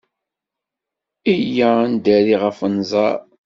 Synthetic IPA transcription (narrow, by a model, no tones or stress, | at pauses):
ijænd̪æɾiʁəfənzˤɑɾˤ